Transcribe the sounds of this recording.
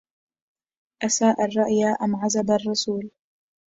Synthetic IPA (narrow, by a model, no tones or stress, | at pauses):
ʔasaːʔarˤːɑʔjaʔamʕazabarˤːɑsuːl